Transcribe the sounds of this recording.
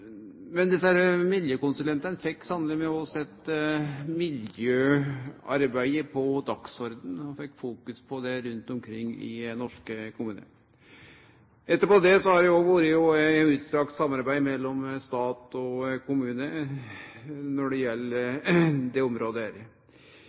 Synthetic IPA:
mɛnd̪ɪsæɾmɪljøːkʊnsʉlɛnt̪ɑnəfɛkːsɑnəlɪmɛuːɑʋsɛt̪ːmɪljøːɑ̰ɾbæɪəpʰɔd̪ɑksɔɾd̪n̩ɔfɛkːfuːkʉspʰɔd̪ɛɾʉnt̪ɔmkʰɾɪŋːɪ̰nɔʂkəkʊmʉːnə̰ | ɛt̪ːəɾpɔd̪ɛsɔhɑɾɛʋuːɾəjʊæʉːt̪st̪ɾɑːkt̪sɑmːɑɾbæɪmɛlːɔmst̪ɑːt̪ɔkʊmʉːnə | nɔɖɛjɛlːəd̪ɛɔmɾoːd̪əæɾ

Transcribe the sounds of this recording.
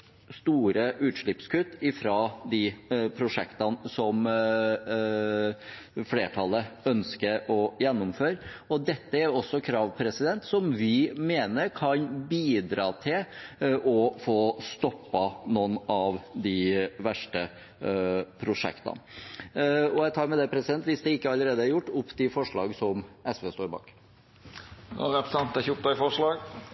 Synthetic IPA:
st̪uːɾəʔʉːt̪ʂɭɪpskʉt̪ːɪfɾɑd̪ɪpʰɾʊʂɛ̰kt̪ɑnsɔm | fleːʈʰɑləœnskəɾɔjɛnːʊmføːɾɔd̪ɛt̪ːəæɾɔsːɔkʰɾɑːʋpʰɾɛsɪd̪ɛnt̪sɔmʋɪmeːnəɾkʰɑnbiːd̪ɾɑːt̪ʰɪlʔɔfoːst̪ɔpːɑnɔnːɑʋd̪ɪʋæʂʈə | pʰɾʊʂɛ̰kt̪ɑ̰ | ɔjæt̪ʰɑːɾmɛd̪ɛpʰɾɛsɪd̪ɛnt̪ʋɪsd̪ɛɪkːəɑlːəɾeːd̪əæɾjʊʈːʊpːt̪ɪfɔʂɭɑ̰ːɡsɔmʔɛsʋeːst̪oːɾbɑ̰ːk | ɾɛpɾsɛnt̪ɛçʊp̚d̪ɑɪfɔʂɭɑːɡ

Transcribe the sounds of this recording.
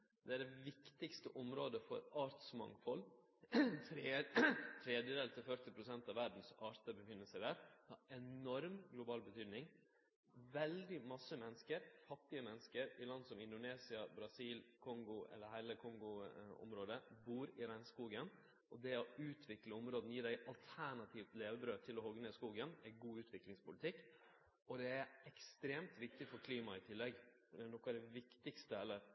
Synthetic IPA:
d̪ɛæɖɛʋɪkt̪ɪkst̪əʔɔmɾoːd̪əfɔ̰ɾɑːɾt̪smɑ̰ŋfɔlː | t̪ʰɾ | t̪ʰɾeːd̪jəd̪eːlt̪ʰɪlfœɾt̪ɪpʰɾʊsɛnt̪ɑʋæɖn̩sɑːɾt̪əbəfɪnːəlsədæːɾd̪ɑɛnɔɾmɡlʊbɑːlbət̪ʰyːd̪nɪŋ | ʋɛld̪ɪmɑsəmɛnːəskəɾfɑt̪ːɪəmɛnːəskəɾɪlɑnd̪sɔmɪnd̪ʊneːsɪɑbɾɑsiːlkʰɔŋɡʊɛ̰lːəɾɦæɪləkʰɔŋɡʊɔ̰mɾoːd̪əbuːɾɪɾæɪnskuːɡən | ʔɔd̪ɛɔʉːt̪ʰʋɪkləɔmɾoːd̪njiːɖæɪʔɑlt̪ʰæɳɑt̪ʰiːʋt̪leːʋəbɾøːt̪ʰɪlɔhɔɡnəskuːɡənæɪɡuːʉːt̪ʰʋɪklɪŋspʊlɪt̪ʰɪkː | ɔd̪ɛæɾɛkst̪ɾeːmt̪ʋɪk̚t̪ɪfɔɾkʰliːmɑɪt̪ʰɪlːɛɡfɔɖ̪ɛnɔkːæɾd̪ɛʋɪkt̪ɪkst̪əɛlːəɾ

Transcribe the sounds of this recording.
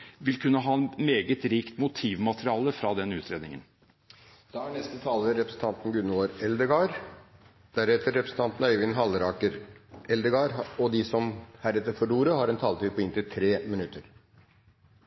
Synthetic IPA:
ʋɪlkʰʉnːəɦɑːnmeːɡət̪ɾiːkt̪mʊt̪ʰiːʋmɑt̪əɾɪɑːləfɾɑd̪ɛnʉːt̪ʰɾeːd̪nɪŋə̰n | d̪̥ɑæɳɛst̪ət̪ʰɑːləəɾɛpɾəsn̩t̪ʰɑnt̪n̩ɡʉnəoːɾɛld̪əɡɑɾ | d̪̥æɾɛt̪əɾːɛpɾsn̩t̪ʰɑnt̪n̩œʏʋɪnɦɑləɾɑːkəɾɛld̪əɡɑːɾɔd̪ɪsɔmhæɾɛt̪ːəɾfɔɭuːɾəɦɑɾɛnt̪ʰɑːlt̪ʰɪlpʰɔɪnt̪ɪt̪ʰɾeːmɪnʉt̪ʰːəɾ

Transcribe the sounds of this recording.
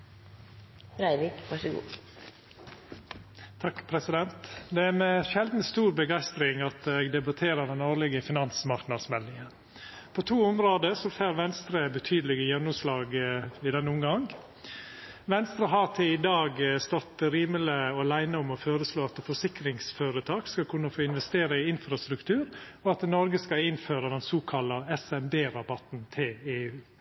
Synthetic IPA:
ɾæɪʋɪkʋɑʂəɡṵː | t̪ʰɑkpʰɾɛsɪd̪ɛnt̪d̪ɛæɾmɛʃɛld̪n̩st̪uːɾbəɡæɪst̪ɾɪŋɑt̪eɡd̪ɛbɑt̪ʰeːɾəd̪ɛnoːɾlɪɡəfɪnɑnsmɑɾknɑsmɛlːɪŋən | pʰot̪ʰuːʊmɾoːd̪əsɔfeːɾʋɛnst̪ɾəbət̪ʰyːd̪əlɪɡəjɛnːʊmslɑːɡɪd̪ɛnəʊmɡɑŋ | ʋɛnst̪ɾəɦɑːt̪ʰeɪd̪ɑːɡst̪ɔt̪ɾiːmələɔlæɪnəʊmɔføːɾəsloːɑt̪fɔʂɪkɾɪŋsfoːɾət̪ʰɑːkskɑkʰʉnːəfoːɪnʋɛst̪eːɾəɪɪnfɾɑst̪ɾʉkt̪ʰʉːɾɔɑt̪nɔɾɡəskɑɪnføːɾəd̪ɛnsuːkʰɑlɑɛsɛmbeːɾɑbɑt̪nt̪ʰeːeːʉː

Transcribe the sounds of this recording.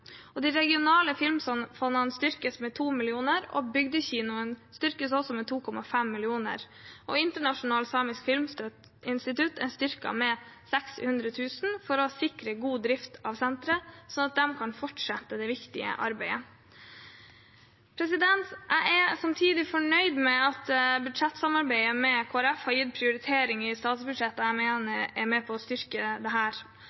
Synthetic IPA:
ʔɔd̪iɪɾɛɡɪʊnɑːləfɪlmsɔnfɔnənst̪ʏɾkəsmɛt̪ʰuːmɪlɪuːnəɾɔ̰bʏɡd̪əçiːnʊənst̪ʏɾkəsɔsɔmɛt̪ʰuːkʰɔmɑfɛmːɪlɪuːnə̰ɾ | ʔɔɪnt̪əɳɑʂʊnɑːlsɑːmɪskfɪlmst̪œt̪ | ɪnst̪ɪt̪ʉt̪ɛst̪ʏɾkɑ̰mɛsɛkshʉnd̪ɾət̪ʰʉːsn̩fɔɾɔsɪkɾəɡuːd̪ɾɪft̪ʰɑːʋsɛnt̪ɾəsɔnɑt̪̚d̪ɛmkʰɑnfɔʈʂɛt̪ːəd̪ɛʋɪkt̪ɪə̰ʔɑ̰ɾbæɪə | pʰɾɛsɪd̪ɛnt̪ʔæɪʔɛsɑmt̪ʰiːd̪ɪfɔɳœʏd̪mɛɑt̪bʉd̪ʂɛt̪ːsɑmɑɾbæɪəmɛkʰoːæɾɛfhɑjɪd̪pʰɾɪʊɾɪt̪ʰeːɾɪŋɪst̪ɑːt̪sbʉd̪ʂɛt̪ːəæmeːnəɾɛmɛpʰɔːst̪ʏɾkəd̪ɛɦæːɾ

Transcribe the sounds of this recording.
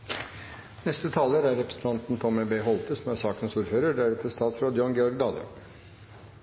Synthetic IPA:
nɛst̪ət̪ʰɑːləɾæɾɛpɾə̥sn̩t̪ʰɑnt̪n̩t̪ʰɔməbeːɦɔlt̪əsɔmæsɑːkənsuːɾføːɾəɖæɾɛt̪ʰəst̪ɑːt̪sɾoːd̪jɑnɡɛɔɾɡd̪ɑːd̪ə̰

